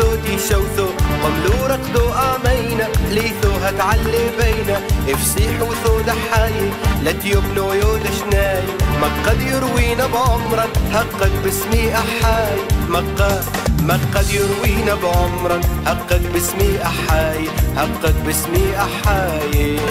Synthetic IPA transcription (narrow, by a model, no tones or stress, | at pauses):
oːd̪iʃawθoqʊmluɾˤɑqd̪oʔaːmajnaliːθoːɦat̪ʕalːebejnaʔɪfsiːħuwθoːd̪aħaːjelat̪jobnojoːd̪aʃnaːjmɑɑd̪jɪɾwiːnabʕʕʊmɾˤɑnhɑqːɑɡbɪsmiʔaħaːjmɑqːɑ | maqːɑd̪jɪɾwiːnabʕʊmɾˤɑnhɑqːɑɡ̚bɪsmiːʔaħaːjehɑqːɑɡ̚bɪsmiːʔaħaː | je